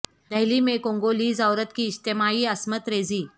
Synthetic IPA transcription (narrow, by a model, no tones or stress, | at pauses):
d̪ɐɦlimẽkõŋɡoliːzawɾət̪kiːst̪emaiːəsmət̪ɾeːd͡ziː